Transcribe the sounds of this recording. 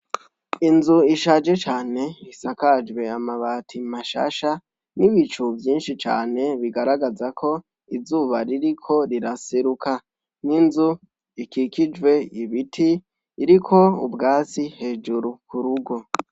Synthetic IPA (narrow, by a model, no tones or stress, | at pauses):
inzuiʃaːd͡ʒe̞t͡ʃaːne̞isakad͡ʒwe̞amaβatʰimaʃa̰ːʃa | niβit͡ʃuvjiːnʃit͡ʃa̰ːne̞βiɡaɾaɡazakʰo̞ | izuːβaɾiɾikʰo̞ɾiɾaseɾuka | ninzu | ikikid͡ʒwe̞iβitʰiː | ɾikʰo̞ṵbɡaːt͡sihe̞ːd͡ʒuɾukuɾuɡo̞